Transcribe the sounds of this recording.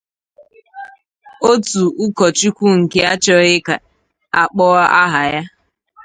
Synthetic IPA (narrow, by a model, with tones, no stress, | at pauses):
o˦tu˨ʔu˦kɔ˨t͡ʃi˦kʷu˦ŋ̩˨ke˦a˦t͡ʃɔ˦ɣɪ˦ka˨ | a˨k͡pɔ˦a˦ʔa˦ɦa˨ja˦